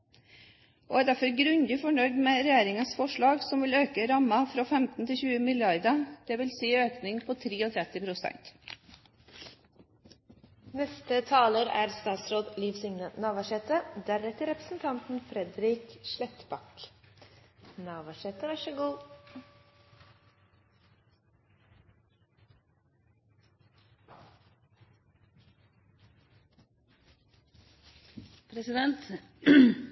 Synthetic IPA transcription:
ʔo̰ːæːd̪æɾfɔɾɡɾʉnd̪ɪfɔɳœʏd̪meːɾɛjeːɾɪŋəsfɔʂɭɑːɡsɔmʋɪløːkəɾɑmːɑfɾoːfɛmt̪n̩t̪ʰɪçʉːəmɪljɑɾd̪əd̪̥ɛːʋɪlsiːøːknɪŋpʰɔt̪ʰɾiːɔt̪ʰɾɛt̪ːɪpʰɾʊsɛ̰nt̪ | nɛst̪ət̪ʰɑːləɾæ̰ːɾst̪ɑːt̪sɾoːd̪liːʋsʏŋnənɑːʋɑʂɛt̪əd̪æɾɛt̪əɾɛpɾəsn̩t̪ʰɑnt̪n̩fɾɛd̪ɾɪkʃlɛt̪bɑk | nɑːʋɑʃɛt̪əʋɑʃəɡuː | pʰɾɛsɪd̪ɛnt̪

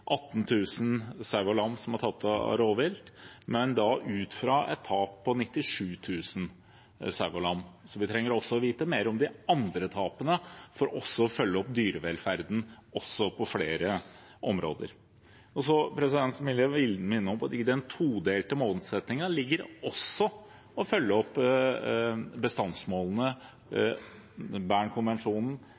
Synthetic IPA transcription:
ʔɑt̪ːnt̪ʰʉːsənsɑɡɔlɑmsɔmhɑʈ̪ʰɑt̪ːɑ̰ɾoːʋɪlt̪mɛnd̪ɑʔʉːt̪fɾɑɛ̰t̪ʰːɑːpʰːɔnɪt̪ːɪʂʉːt̪ʰʉːsən̩ | sɑɡɔlɑmsɔʋɪt̪ʰɾɛŋːəɾɔsːɔɔʋiːt̪əmeːɾəɔmd̪ɪɑnd̪ɾət̪ʰɑːpənəfɔɾʔɔsːɔɔfœlːəɔpd̪yːɾəʋɛlfæɾd̪n̩ɔsːɔpʰɔfleːɾə | ʔɔmɾo̰ːd̪ə̰ɾ | ɔsɔpʰɾɛsɪd̪ɛnt̪smɪljəʋɪlmɪnːəɔmpt̪ɪd̪ɛnt̪ʰuːd̪eːlt̪əmoːlsɛt̪nɪŋɑlɪɡːəɾɔsɔ | ɔfœlːəɔpː | bəst̪ɑnsmoːln̩ə | bæːɳkʰʊnʋɛnʂuːnn̩

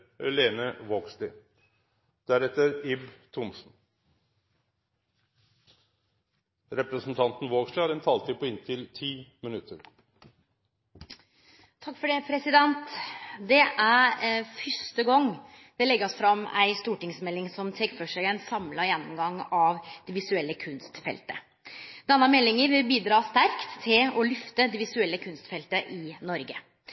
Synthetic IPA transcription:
ɛleːnəʋoːɡslɪ | d̪̥æɾɛt̪əɾɪbt̪ʰʊmsn̩ | ɾɛpɾəsn̩t̪ʰɑnt̪n̩ʋoːɡsləæɾɛnt̪ʰɑːlt̪ʰiːpʰɔɪnt̪ʰɪlt̪ʰiːmɪnʉt̪ʰːəɾ | t̪ʰɑkːfɔɖeːpʰɾɛsɪd̪ɛnt̪d̪ɛʔæɾfœʂt̪əɡɔŋː | d̪̥ɛlɛɡːɔsfɾɑmːæ̰ɪst̪uːʈɪŋsmɛlːɪŋsɔmt̪ʰɛkfɾɔʂøənsɑmlɑɾjɛnːɔmɡɑŋːɑʋd̪̥ɛʋɪsʉɛlːəkʰʉnst̪fɛ̰lt̪ə̰ | d̪̥ɛnːɑmɛlːɪŋəɾʋɪlbiːd̪ɾɑːst̪æɾkt̪ʰːɪlɔlʏft̪əd̪ɛʋɪsʉɛlːəkʰʉnst̪fɛlt̪əʔɪnɔɾɡə

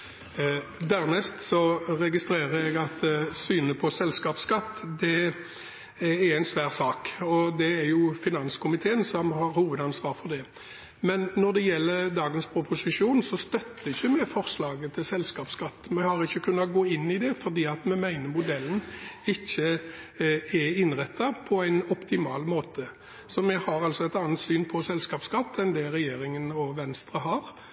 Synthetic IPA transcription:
d̪æɾnɛst̪sɔɾɛɡɪst̪ɾeːɾəɛɡɑt̪syːnəpʰɔsɛlskɑːpskɑt̪ːd̪ɛ | ɛɾɛɪnsʋæːɾsɑːkɔd̪ɛæɾjʊfɪnɑnskʊmɪt̪ʰeːənsɔmhɑɾhuːʋəd̪ɑnsʋɑːɾfɔʁd̪ɛ | mɛnːɔd̪ɛjɛlːəɾd̪ɑːɡənspʰɾʊpʰʊsɪʂuːnsɔst̪œt̪ːəɪçːəmɛfɔʁslɑːɡət̪ʰɪlsɛlskɑːpskɑt̪ːmɛhɑɾɪçːəkʰʉnːɑɡoːɪnːɪd̪ɛfɔɾd̪iːɑt̪mɛmæɪnəɾmʊd̪ɛlːən̩ɪçːə | ɛɪnɾɛt̪ːɑpʰɔæɪnɔpt̪ʰɪmɑːlmoːt̪ʰə | sɔmɛhɑɾɑlsɔɛt̪ɑːnət̪syːnpʰɔsɛlskɑːpskɑt̪ːɛnd̪ɛɾɛjeːɾɪŋənɔʋɛnst̪ɾəɦɑɾ

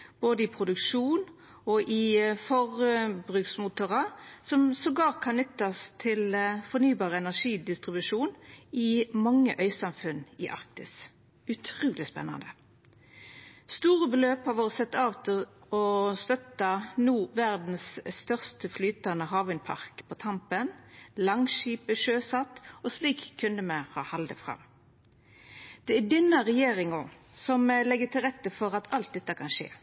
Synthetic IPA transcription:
b̥oːd̪əɪpʰʁʊd̪ʉkʂuːn | ɔʔɪfɔʁbʁʉksmʊt̪ʊʁɑsɔmsɔɡlɑːʁt̪̚kʰɑnnʏt̪ːɑst̪ʰɪlfɔʁnyːbɑːʁəɛnæʁʂiːd̪ɪst̪ʁɪbʉʂuːnɪmɑŋːəʔœʏsɑmfʉnɪ̰ʔɑ̰ʁk̚t̪ɪs | ʉt̪ʰʁuːlɪspɛ̰nːɑ̰nd̪ə | st̪uːʁəbəløːphɑʋoːʁəsɛt̪ːɑːʋt̪ʰɪlɔst̪œt̪ɑnuːʋæʁd̪n̩sst̪œʁst̪əflyːt̪ɑnəɦɑːʋɪnpʰɑ̰ʁkpʰɔt̪ʰɑmpənlɑŋʃiːpəʃøːsɑt̪ːɔsliːkʰːʉnd̪əməhɑ̰ːhɑld̪ə̰fʁɑ̰m | d̪̥ɛæd̪ɪnːəʁɛjeːʁɪŋɔ | sɔmlɛɡːət̪ʰɪlʁɛt̪ːəfɔʁɑt̪ʰɑlt̪̚d̪ɛt̪ːəkʰɑnʂḛː

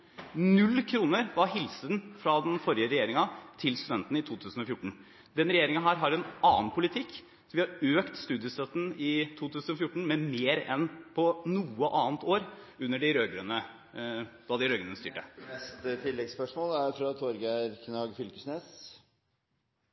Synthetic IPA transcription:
nʉlːkʰɾuːnəɾʋɑɾɦɪlsənfɾɑd̪ɛnfɔɾɪəɾɛjeːɾɪŋɑt̪ʰɪlst̪ʉd̪ɛnt̪n̩ɪt̪ʰuːt̪ʰʉːsn̩ɔfjʊʈːɳ̩ | d̪ɛnɾɛjeːɾɪŋənɦæːɾɦɑɾɛnɑːnpʰʊlɪt̪ʰɪkː | sɔʋɪhɑɾøːkt̪st̪ʉːd̪jəsɛt̪ːən̩ɪt̪ʰuːt̪ʰʉːsn̩ɔfjʊʈːɳ̩mɛmeːɾɛnpʰɔnuːəʔɑːənt̪oːɾ | ʉnːəɖɪɾøːɡɾənə | d̪̥ɑd̪ɪɾøːɡənənəst̪yːʈə̰ɛst̪ət̪ʰɪlːɛɡspœʂmoːlæɾfɾɑt̪ʰɔɾɡæɾkʰnɑːɡfʏlkəsneːs

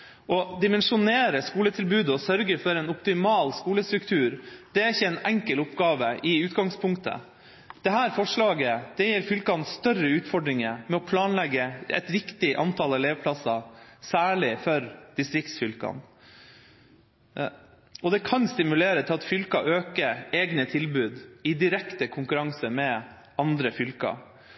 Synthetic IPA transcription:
ʔɔd̪ɪmɛnʂʊneːɾəskuːlət̪ʰɪlbʉːd̪əɔsœɾɡəɾfɔɾɛnɔpt̪ɪmɑːlskuːləst̪ɾʉkt̪ʰʉːɾd̪̥ɛæɾɪçːəɛnɛŋkəlʊpɡɑːʋəʔɪʉːt̪ɡɑŋspʰʊŋkt̪ʰə̰ | d̪̥ɛɦæːɾfɔʂɭɑːɡəd̪̥ɛjɛɾfʏlkɑnst̪œrəʉːt̪fɔɖɾɪŋəmɛɔpʰlɑːnlɛɡːəɛ̰t̪ɾɪkt̪ɪʔɑ̰nt̪ʰɑlɑleːʋəpʰlɑsɑsæːɭɪfɔɾd̪̥ɪst̪ɾɪkt̪sfʏlkɑ̰n | ɔd̪ɛkʰɑnst̪ɪmʉleːɾət̪ʰɪlɑt̪fʏlkɑʔøːkəɾeːɡnət̪ʰɪlbʉːd̪ɪd̪ɪɾɛkt̪əkʰʊŋkʉɾɑŋsəmɛ | ɑnd̪ɾəfʏlkɑ̰

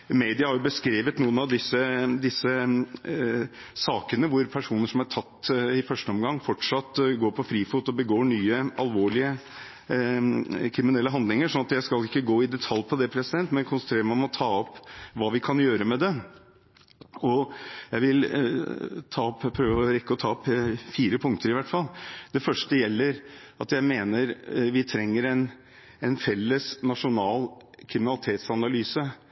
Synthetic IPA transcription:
meɪd̪ɪɑhɑɾjʊbəskɾeːʋət̪nuːənɑʋd̪ɪsəd̪ɪsːə | sɑːkənəʋʊɾpʰæʂuːnəʂɔmɑɾʈʰɑt̪ːɪfœʂʈəɔmɡɑŋːfɔʈʂɑt̪ːɡoːɾpʰɔfɾiːfuːt̪ɔbəɡoːɳyːəɑlʋoːɭɪə | kʰɾɪmɪnɛlːəɦɑnd̪lɪŋəʂɔnɑt̪jæɪskɑlɪkːəɡoːɪd̪ɛt̪ʰɑlːpʰɔd̪ɛpʰɾɛsɪd̪ɛnt̪mɛnkʰʊnsənt̪ʰɾeːɾəmɛɪɔmɔt̪ʰɑːɔpːʋɑːʋɪkʰɑnjøːɾəmɛd̪ɛ | ɔjæɪʋɪl | t̪ʰɑːɔpːpʰɾøːʋəɔɾɛkːəɔt̪ʰɑːɔpːfiːɾəpʰʊŋk̚t̪əɾɪʋæʈːfɑlːd̪ɛfœʂʈəjɛlːəɾ | ɑt̪jæɪmeːnəɾʋɪt̪ʰɾɛŋːəɾɛn | ɛnfɛlːəsnɑʂʊnɑːl | kʰɾɪmɪnɑlɪt̪ʰeːt̪sɑnɑlyːsə

